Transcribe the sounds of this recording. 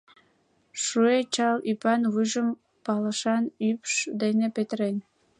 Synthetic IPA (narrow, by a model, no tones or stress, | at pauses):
ʃuet͡ɕɑlypɑnvɯʒə̆m | pɑlˠɑ̆ʃɑnypʃd̪enepʲet̪renʲ